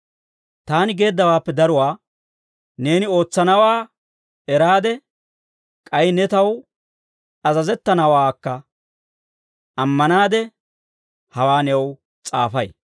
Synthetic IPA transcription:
t̪aːnɪɡe̞ːd̪ːɐwaːpːɛd̪ɐɾʊwaː | ne̞ːnɪo̞ːt͡sːɐnɐwaː | ɛɾaːd̪ɛ | kʼɐjnɛt̪ɐw | ɐzɐzɛt̪ːɐnɐwaːkːɐ | ʔɐmːɐnaːd̪ɛ | hɐwaːnɛw | t͡sʼaːfɐj

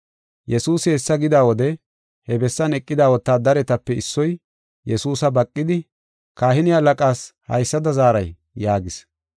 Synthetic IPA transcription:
jɛsuːsɪɛsːɐɡɪd̪aːwɔd̪ɛ | hɛbɛsːɐnɛkʼːɪd̪aːwɔt̪ːaːd̪ɐɾɛt̪ɐpːɛɪsːɔj | jɛsuːsɐbɐkʼːɪd̪ɪ | kaːhɪnɪjalɐkʼaːshɐ̰jsːɐd̪ɐzaːɾɐj | jaːɡɪs

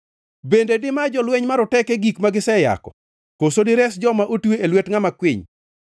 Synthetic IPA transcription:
bendedɪmad͡ʒɔlwɛɲmaɾɔtɛkeɡikmaɡɪsɛja̰kɔ̰ | kosodɪɾɛsd͡ʒɔmaʔotueelwetŋamakwɪɲ

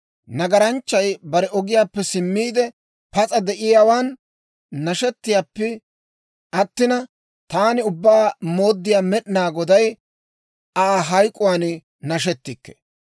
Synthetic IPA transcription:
nɐɡɐɾɐnt͡ʃːɐjbɐɾɛʔɔɡɪjaːpːɛsɪmːiːd̪ɛ | pɐt͡sʼɐd̪ɛʔɪjaːwaːnː | ɐʃɛt̪ːɪjaːpːɛ | ʔɐt̪ːɪnɐ | t̪aːnɪʊbːaːmo̞ːd̪ːɪjaːmɛɗɪnaːɡɔd̪ɐj | aːɦɐjkʼːʊwaːn | nɐʃɛt̪ːɪkːɛ̥̰

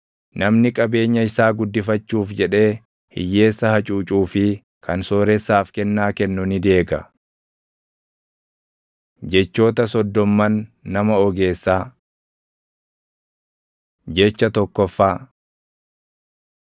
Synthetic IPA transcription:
nɐmnɪkʼɐbe̞ːɲːɐɪsaːɡʊd̪ːɪfɐt͡ʃːuːfd͡ʒɛᶑe̞ː | hɪ̰jːe̞ːsːɐhɐt͡ʃʼuːt͡ʃʼuːfɪ | kɐnso̞ːɾɛsːaːfkɛnːaːkɛnːʊnɪd̪e̞ːɡɐ | d͡ʒɛt͡ʃːo̞ːt̪ɐsɔd̪ːɔmːɐnːɐmɐɔɡe̞ːsːaː | d͡ʒɛt͡ʃːɐt̪ɔkːɔfːaː

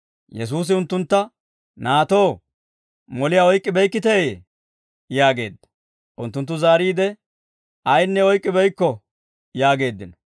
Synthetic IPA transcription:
jɛs̬uːs̬ɪʊnt̪ːʊnt̪ːɐ | naːt̪o̞ː | mɔlɪjaɔjkʼːɪbɛjkːɪt̪eː | jaːɡe̞̰ːd̪ːɐ̥ | ʔʊnt̪ːʊnt̪ːʊzaːɾiːd̪ɛ | ɐjnːɛɔjkʼːɪbɛjkːɔ | jaːɡe̞ːd̪ːɪnɔ

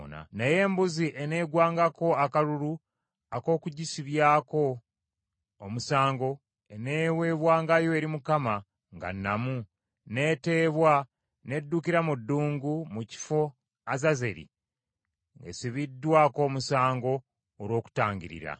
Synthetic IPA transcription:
na̰neje̞ːmbuziʔene̞ːɡwaːŋɡako̞akaɾuɾu | ako̞ːkuɟisiβjaːko̞ | musaːŋɡo̞ | e̞ne̞ːwe̞ːβwaːŋɡajo̞eɾimukama | ŋɡa̰nːamu | ne̞ːte̞ːβwa | ne̞dːuːkiɾamudːuːŋɡumuci̥fo̞ | azaze̞ɾḭ | ŋɡesiβidːwaːko̞ːmusaːŋɡo̞ː | ɾwo̞ːku̥taːɲɟiɾḭɾa̰

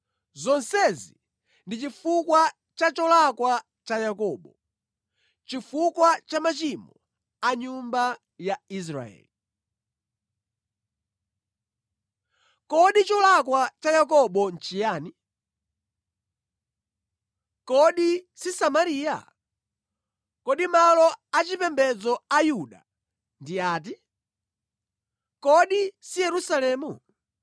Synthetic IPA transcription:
zɔnsɛzi | ndit͡ʃifukwa | t͡ʃat͡ʃɔlakwa | t͡ʃajakɔːɓɔ | t͡ʃifukwat͡ʃamat͡ʃimɔ | aɲumba | jais̬ɾa̰ɛ̰ːli | kɔɗit͡ʃɔlakwat͡ʃajak̬ɔɓɔn̩t͡ʃijaːni | kɔɗisisamaɾiːja̰ | kɔɗimalɔat͡ʃipɛmbɛd͡zɔajuɗa̰ | ndiaːt̬i | kɔɗisijɛɾusalɛːmu

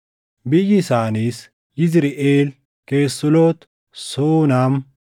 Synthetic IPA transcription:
bɪjɪsaːniːs | jɪzɪɾɪʔeːl | keːsːʊloːt̪ | soːnaːm

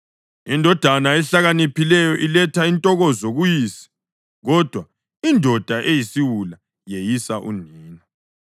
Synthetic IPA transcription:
indʱɔd̥ʱanaɛɬaɣanipʰilɛjɔʔilɛtʰaintʼɔɣɔzoɣujiːsi̥ | ɣɔd̥ʱwa | indʱɔd̥ʱaʔejisiwula | jejisaʔuniːna

